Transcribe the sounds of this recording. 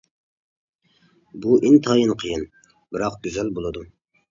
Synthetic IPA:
buʔint̪ʰɑːjɨnqʰəjɪn | bɪɾɑqɡʲyzælbolˠɨd̪u

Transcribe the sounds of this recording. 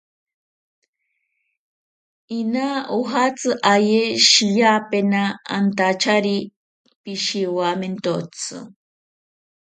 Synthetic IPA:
inauɦat͡sɨʔajeʃijapenaːnt̪at͡ʃaɾi | piʃiwament̪ot͡sɨ̰

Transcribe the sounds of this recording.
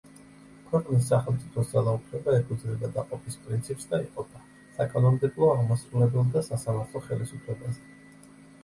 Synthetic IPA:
kʰwɛqʼnis̬ːaχɛlˠmt̪sʼipʰɔsd̪zalˠaupʰlɛbaɛkʰʼud̪zɾɛbad̪aqʼɔpʼispʼɾint̪sʰipsd̪aiqʼɔd̪a | sakʼanɔmd̪ɛblˠɔaʁmasɾulɛbɛlˠd̪asasamaɾt̪ʰlˠɔχɛlisupʰlɛbazɛ

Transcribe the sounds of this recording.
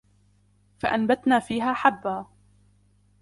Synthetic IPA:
faʔanbat̪naːfiːɦaːħabːaː

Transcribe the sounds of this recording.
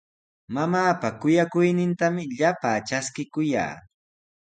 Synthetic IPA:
mamaːpakʊjakʊjnɪnt̪amɪʎapaːt͡ʃaskɪkʊja̰ː

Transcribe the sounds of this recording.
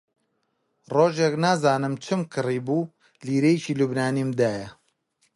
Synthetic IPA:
roːʒeknaːzaːnɨmt͡ʃʰɨmkʰɨriːbuː | liːɾejt͡ʃiːlubnaːnimd̪aːjɐ

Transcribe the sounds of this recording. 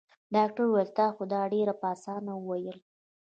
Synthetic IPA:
ɖɑk̚ʈaɾuwalt̪ɑxod̪ɑɖeɾapɑsɑnawəwajəl

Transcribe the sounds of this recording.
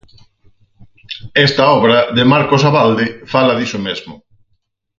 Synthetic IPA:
ɛst̪ɐɔβɾɐðɪmaɾkosaβald̪ɪfalɐðisʊmezmʊ

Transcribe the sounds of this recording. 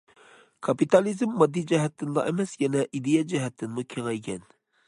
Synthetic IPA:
kʰɑpit̪ɑlizmːɑd̪ːid͡ʒɛɦɛt̪ʰːɪnd̪ɑ̰ʔemɛsjɛnɛʔid̪ijɛd͡ʒɛɦɛt̪ʰːɪnmukʲʰeŋɛjɡʲɛn

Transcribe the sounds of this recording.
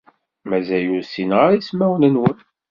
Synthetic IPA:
mæzæjuɾsinʁaɾismæwnənwən

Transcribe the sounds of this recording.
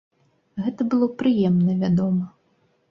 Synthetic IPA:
ɣɛt̪ɐbɨlˠɔpɾɨjɛmnɐvʲad̪ɔmɐ

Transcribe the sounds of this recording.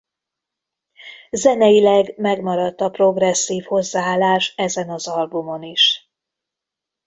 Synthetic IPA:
zɛnɛjilɛɡmɛɡmɒɾɒt̪ːɒpro̞ɡrɛsːiːfho̞zːaaːlːaːʃt̪ɛzɛnɒzɒlbumo̞niʃ

